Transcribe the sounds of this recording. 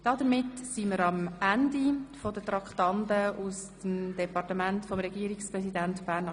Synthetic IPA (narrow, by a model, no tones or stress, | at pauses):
d̥ɑdəɾmɪtsiməɾɑmændifɔdətɾɑktɑndəʔustəmd̥ɛpɑrtəmæntfɔmɾɛɡiːəɾikspɾɛsidæntb̥æːnɑ